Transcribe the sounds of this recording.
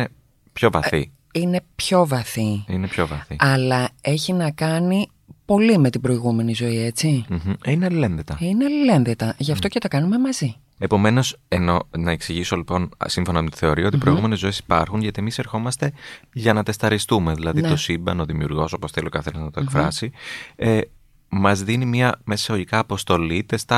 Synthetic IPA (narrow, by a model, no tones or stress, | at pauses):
e | pço̞vɐθi | ine̞pço̞vɐθiinepço̞vɐθiɐlɐe̞çinɐkɐni | po̞lime̞t̪ibɾo̞iɣume̞nizo̞ie̞t͡siç̥̩inelle̞nðet̪ɐineɐlle̞nðet̪ɐʝɐft̪o̞cet̪okɐnume̞mɐzi | e̞po̞me̞no̞seno̞nɐeksiʝiso̞lipo̞nsiɱfo̞nɐmtt̪i̥θe̞oɾio̞t̪ipɾo̞iɣume̞nezo̞esi̥pɐɾxunʝɐt̪ie̞mise̞ɾxo̞mɐst̪e̞ʝɐnɐt̪est̪ɐɾist̪ume̞ðilɐðit̪osimbɐno̞ðimiuɾɣo̞so̞po̞sθeliokɐθe̞nɐznɐt̪okfɾɐ̰sie | mɐzðinimiɐmessoʝikɐːpo̞st̪o̞lit̪est̪ɐ